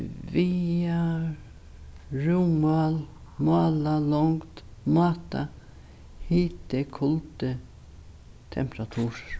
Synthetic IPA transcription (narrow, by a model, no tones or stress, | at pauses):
viːa | ɾuːmalmɑːlalɔŋt̪mɑːt̪a̰ | hiːt̪ɪkʰʊlt̪ə | t̪ʰɛ̰mpɾat̪ʰuːɾ